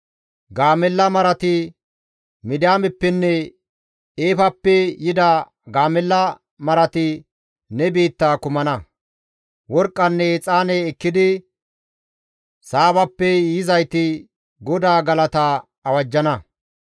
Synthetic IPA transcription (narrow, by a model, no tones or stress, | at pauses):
ɡaːmɛlːɐmɐɾɐt̪ɪ | mɪd̪ɪjaːmɛpːɛnːɛ | eːfɐpːɛjɪd̪ɐ | ɡaːmɛlːɐ | mɐɾɐt̪ɪ | nɛbiːt̪ːaːkʊmɐnɐ | wɔɾkʼːɐnːɛt͡sʼaːnɛːkːɪd̪ɪ | saːbɐpːɛjɪzɐjt̪ɪ | ɡɔd̪aːɡɐlɐt̪a | ɐwɐd͡ʒːɐnɐ